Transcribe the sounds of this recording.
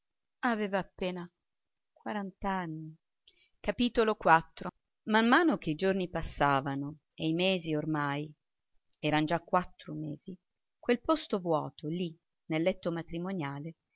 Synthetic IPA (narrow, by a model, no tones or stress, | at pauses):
aveːvaːpːeːna | kwaɾant̪anːi | kapiːt̪olokwat̪ːɾo | mamːaːnok̟eid͡ʒornipasːaːvano | ejmeːziormaj | ɛːɾand͡ʒakːwat̪ːɾomḛːz̥i | kwelpost̪ovwɔ̰ːt̪oli | nelːɛt̪ːomat̪ɾimonjaːle